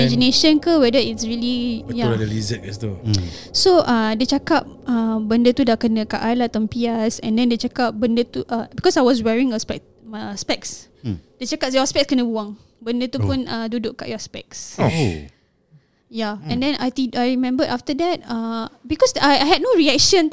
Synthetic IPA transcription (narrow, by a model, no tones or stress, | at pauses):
mɛd͡ʒineʃə̃nkəwɛdəitsɹilijadəlizɛk̚ɛst̪usoʔadət͡ʃakap̚abəndət̪udakənəka̰ʔalat̪ɔ̃mpiasɛ̃ndɛ̃ndet͡ʃakap̚bəndət̪uʔabikɔsajwɔs̬wɛɹĩŋəspɛ | spɛks | d̥et͡ʃakap̚jɔaspɛk̚skənəbuãŋ | bəndət̪upũnãduduʔka̰ʔjɔaspɛ̰k̚s | jaɛ̃ndɛ̃najt̪iajɹimɛ̃mbəʔaftədɛt̚abikɔsaajɦɛd̚noɹiɛk̚ʃə̃n